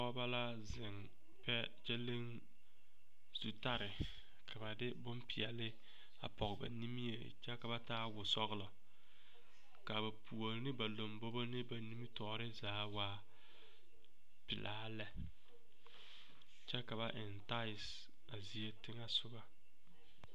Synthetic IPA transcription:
tɔ˦ba˦la˦ | zɪ˨ŋ | pɛ˦ | t͡ʃe˦le˦ŋ | z̥u˨ta˦ɾɪ˨ | kʰa˨ba˨dɪ˦bʊ˦mpɪ˨ɛ˨lɪ˦ | a̰˨pɔ˨ɣba̰˨ni˦mi˦jḛ˨ | t͡ʃɛ˦ka˨ba˦taː˦wʊ˨sɔ˦ɣlɔ˨ | ka˨ba˨pʰu˨o˨lnɪ˦ba˨lo˨mbo˦bo˦nɪ˦ba˨ni˦mi˦tɔː˨ɾɪ˦zaː˨˦waː˦ | pɪ˨lʔaː˦lɛ˦ | t͡ʃɛ˦ka˨βa˨ʔɪ˨nta˦ɪ˨s | a˨zi˨e˦tɪ˦ŋa˦sʊ˦ɡa˦

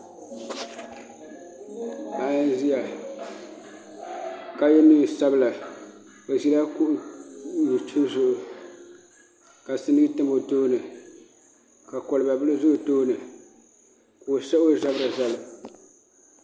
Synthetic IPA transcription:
a˨˦zi˦ja˨ | ka˦jɛ˦miː˦˨sa˦bɨ˨la˨ | o˨zi˦la˦kʊ˦ʔʊ˦ju˨t͡ʃi˦zʊ˦ʔʊ˨ | ka˨sɨ˦nɨ˦ɡɨ˦tɨ˦mo˨toː˦nɨ˨ | ka˨kɔ˨lɨ˨ba˨bɨ˦lɨ˦zʊ˦ʔʊ˨toː˦nɨ˨ | ko˨sɛ˦ʔo˦˨za˦ba˨za˦lɨ˨

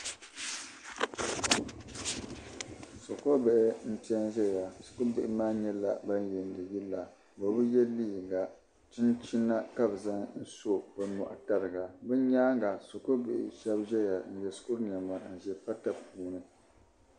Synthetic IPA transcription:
so˨ko˦bɛ˨ʔɪ˦n̩˦ti˦ɛ˦n˦ʒɛ˦ja˨skʊ˦bɪ˨ʔɪ˨maː˦ɲɛ˦la̰˨ba˦n˦jɛ˨n˨dɨ˨ji˦la˨ | ba˨bɨ˦jɛ˦lːiː˦˨ɡa˨ | tɨ˦nt͡ʃi˦nːa˦ka˦bza˦ŋn̩˦so˦ba˨nɔ̰˨ʔa̰˨ta˦ɾɨ˨ɡa˨bɨ˦ɲaː˦ŋɡa˨so˨ko˦bɪ˨ʔɪ̰˨ʃɛ˦bʒɛ˦ja˨n̩˨jɛ˨sku˦ɾɲ˨a˨ma˨n̩˨ʒɛ˨pa˦ta˦puː˨˦nɨ˨

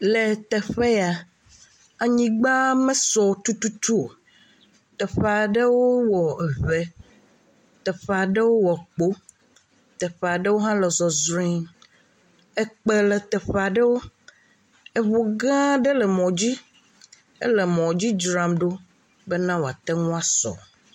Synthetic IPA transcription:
le˨t̪ɛ˨ɸe˦ja˨ | a˨ɲĩ˦ɡ͡ba˦mẽ˦sɔ˨t̪u˦t̪u˦t̪u˦o̰˨ | t̪ɛ˨ɸe˨a˨ɖe˦wo˦wɔ˨ɛ˨ve˨ | t̪ɛ˨ɸa˨ɖe˦wo˦wɔ˨k͡po˦ | t̪ɛ˨ɸa˨ɖe˦wo˦ɦã˦lɛ˨zɔ˨zɾi˦ŋ | ɛ˦k͡pe˦lɛ˨t̪ɛ˨ɸa˨ɖe˦wo˦ | e˨βo˨ɡã˦ɖe˦lɛ˨mɔ̃˨d͡ʑi˦ | ḛ˦le˨mɔ̃˨d͡ʑi˦d͡ʒɾa˨mɖo˦ | be˦nã˦wo˨a˨t̪ɛ˦ŋũ˦a˦sɔ̰˨

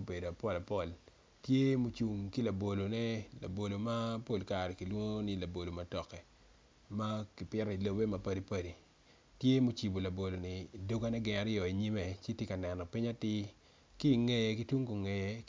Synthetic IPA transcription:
o˦be˨do˨a˨pɔ˦la˨pɔ˨l | tje˦mu˦t͡ʃu˨ŋki˦la˨bo˨lo˨nɛ˦la̰˨bo˨lo˨ma˦po˦lka˨ɾɛ˨ki˨lwo˦ŋ˦nɪ˦la˨bo˨lo˨ma˦tɔ˨kɛ˨ | ma˦kɪ˨pɪ˦ɾi˨lo˦be˦ma˨pa˦di˦pa˦di˨ | tje˦mu˦t͡ʃi˨bo˨la˨bo˨lo˨nɪ˨do˦ɡa˦nɛ˦ɡɪ˨ŋa˨ɾjɔ˨i˨ɲi˦me˨t͡ʃe˦tje˦ka˨nɛ˨nɔ˨pi˦ɲa˦tɪ˦ | ki˦˨ŋe˨jki˦tu˦ŋko˨ŋe˨j

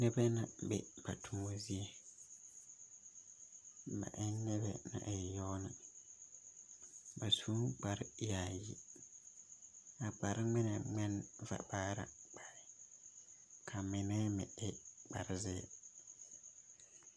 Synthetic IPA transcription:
nɛ˦bɛ˦nã˨bɛ̰˨ba˨tʰu˨ŋo˦zi˦e˨ | ba̰˨ʔɪ˦nɛ˦bɛ̰˦na̰˨ʔɪ˨jɔ˦nɪ˨ | ba˨su˦k͡pa˨ɾja˨ji˦ | a˨k͡pa˨ɾɪ˦ŋ͡mɪ˦nɛ˨ŋ͡mɛ˦nva̰˨baː˦ɾa̰˨k͡pa˨ɪ˨ | kʰa˨mɪ˨nɛː˦mɪ˨ɪ˦k͡pa˨ɾɪ˦zɪ̰˦˨

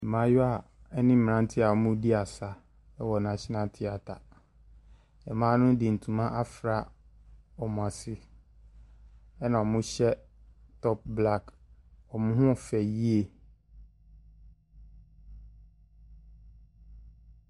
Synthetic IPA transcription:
ɛ˨mã˨˦ja˨ɛ˦nɪ̃˦m̩˨ã˦n˦tʰɪ˦a˨mʊ̃˦di˦a˨sa˦ | ɛ˦wɔ˨nã˨t͡ɕʰɪ˦nã˦tʰɪ˦a˨tʰa˨ | ɛ˨mãː˦nʊ̃˦dɪ˨n̩˨tʰũ˨mã˦ʔa˦fɾa˨ | ɔ˨mʊ̃˨a˨sɪ˦ | ɛ˦nã˨ɔ˨mʊ̃˦ɕɛ˦ | tʰɔ˦p̚bla˦kɔ˨mʊ̃˦ɦʊ̃˦˨fɛ˨ji˦e˦˨

